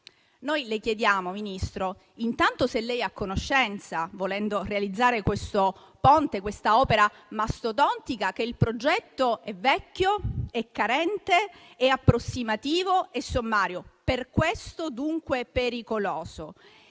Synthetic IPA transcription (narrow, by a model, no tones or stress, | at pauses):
nojlekjed̪jaːmominist̪ɾo | int̪ant̪oselːɛjakːonoʃːɛnt̪savolɛnd̪orealid̪zːaːɾekwest̪o | pɔnt̪ekwest̪aɔːpeɾa | mast̪ot̪̬ɔnt̪ikak̟eilpɾod͡ʒɛt̪ːoɛvːɛkːjoɛkːaɾɛnt̪e | ɛapːɾosːimat̪iːvoesːomːaːɾjoperkwest̪od̪uŋkwepeɾikolɔːzo